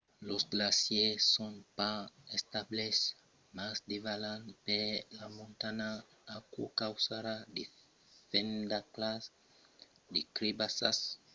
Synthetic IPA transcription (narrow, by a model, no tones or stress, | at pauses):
losɡlasjesːonpaest̪ables | masd̪ivalanpelamõnt̪anaː | kukawsaɾad̪i | fend̪aklas | d̪ikɾibasas